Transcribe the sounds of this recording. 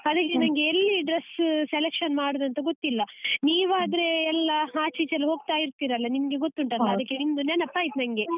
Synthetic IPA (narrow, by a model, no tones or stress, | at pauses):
ɐd̪ɐkːenɐŋɡeːlːiɖɾesseleːkʂɐnmaːɽod̪ɐnt̪ɐɡot̪ːilːɐniːʋaːd̪ɐɾeɛlːɐɦaːt͡ʃit͡ʃɐlɦo̞ːɡ̚t̪aːjiɾt̪iːɾɐlːɐnimɐɡe̞ɡot̪ːuɳʈɐlːɐɐdd̪ɐkːeind̪uneːnɐpːaːjit̪nɐŋɡe̞